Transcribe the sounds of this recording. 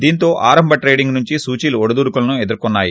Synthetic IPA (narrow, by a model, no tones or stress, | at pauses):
d̪iːnt̪o̞ːʔaːɾɐmbʱɐʈɾejɖiŋɡnuɲt͡ʃisuːt͡ʃiluɔɽud̪uːɽukulɐnued̪uɾkɔnːaːji